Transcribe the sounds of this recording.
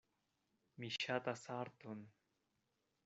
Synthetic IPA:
miɕat̪asaɾt̪un

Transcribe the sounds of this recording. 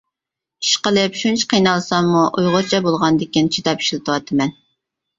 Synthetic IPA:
i̥ʃqəlˠɨpʃunt͡ʃʰə̥qʰijnɑlˠsɑŋmuʔujʁʊɾt͡ʃʰɛbolˠʁɑnd̪ɪkʲint͡ʃʰid̪ɑpi̥ʃlˠɨt̪ʰəwɑt̪ʰɨmɛn

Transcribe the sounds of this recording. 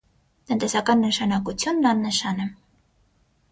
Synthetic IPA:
t̪ənt̪ɛsɑkɑnːəʃɑnɑkut͡sʰjunːɑnːəʃɑnɛ

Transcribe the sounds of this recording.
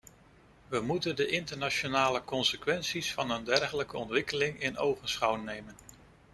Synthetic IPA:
ʋəmutəndəʔɪntəɹnaʃonaːləkɔnsəkʋɛnsisfɑnəndɛɹχələkəɔntʋɪkəlɪŋɪno̰wχənsχɑwnejmən

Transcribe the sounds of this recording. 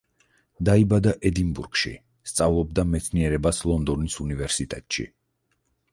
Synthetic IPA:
d̪aibad̪aʔɛd̪inbuɾɡ̥ʃḭ | st̪sʼavlˠɔb̚d̪amɛt̪sʰniɛɾɛbaslˠɔnd̪ɔnisunivɛɾsit̪ʼɛt̪ʼʃḭ

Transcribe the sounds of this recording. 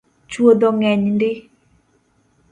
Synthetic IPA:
t͡ʃwod̪ɔŋɛɲndɪ

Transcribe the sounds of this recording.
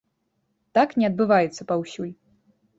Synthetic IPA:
t̪aknʲɛɐd̪̚bɨvajɛt̪sːɐpawsʲulʲ

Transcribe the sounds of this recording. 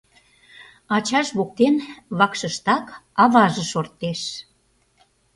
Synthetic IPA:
ɑt͡ɕɑʃβok̚t̪enβɑkʃə̆ʃt̪ɑkɑβɑʒəʃort̪ːeʃ

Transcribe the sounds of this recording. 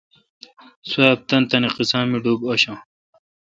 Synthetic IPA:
swaːp̚t̪ɐnt̪ɐniqisãːmiɖuboɕã

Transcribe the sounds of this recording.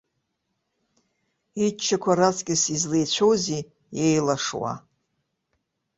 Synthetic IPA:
it͡ʃʰːakʷʰaɾat͡sʰʼkʲʼɪsizlejt͡ɕʷʰowzi | jejlaʂwa̰

